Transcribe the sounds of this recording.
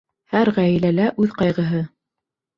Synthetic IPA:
hæɾʁæjilælæʔʉðqɑjʁɤ̆ɦɤ

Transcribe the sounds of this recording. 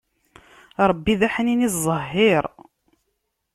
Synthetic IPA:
ɾˤəbːiðæħəninizˤəɦːiɾˤ

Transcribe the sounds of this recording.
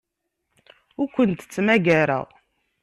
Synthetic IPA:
ʊɾkʷənt̪t͡sːmæɡæɾæ̰ʁ

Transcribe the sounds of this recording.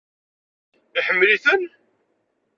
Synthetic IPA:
iħəmːliθən

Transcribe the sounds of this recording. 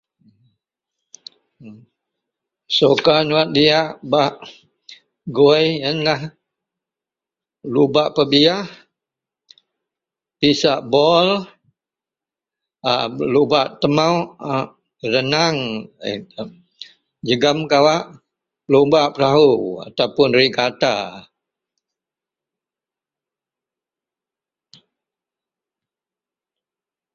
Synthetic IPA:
sokanuat̪̚diaʔbaʔ | ɡujənlah | lubaʔpəbiah | pisaʔbɔl | alubaʔt̪əmawʔ | ɾənaŋ̰ | d͡ʒəɡamkawaʔ | lubaʔpəɾaɦua̰t̪awpʊnrikat̪a

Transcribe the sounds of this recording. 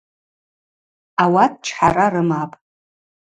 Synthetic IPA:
awat̚ʰʼʈ͡ʂʰħaɾarɨmapʼ

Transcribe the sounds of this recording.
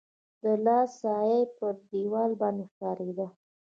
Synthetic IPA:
d̪əlɑsɑjajpəd̪iwɑlbɑnd̪exkɑɾed̪a

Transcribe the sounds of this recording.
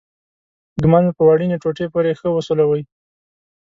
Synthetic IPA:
ɡmand̪pəwɑɽineʈ͡ʂoʈepoɾexəwəsolawəj

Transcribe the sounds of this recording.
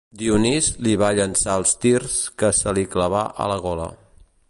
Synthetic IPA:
d̪iunizliβaʎənsaəlˠst̪irskəsəlikləβ̞aʔə̰ləɣ̞olə̰

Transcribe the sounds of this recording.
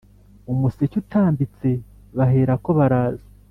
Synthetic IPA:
umusecutʰaːmbit͡se̞ | βaɦe̞ːɾako̞βaɾaːzḁ

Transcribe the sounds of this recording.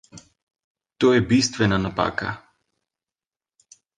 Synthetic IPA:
t̪ojɛbist̪vɛnanapa̰ka̰

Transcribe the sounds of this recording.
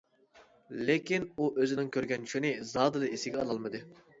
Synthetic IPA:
lɪkʲinuʔøzɪnɪŋkʲʰøɾɡʲɛnt͡ʃʰy̥ʃinɪzɑːd̪ɨlˠɨesɪɡʲɛɑlˠɑlˠmɨd̪ɨ

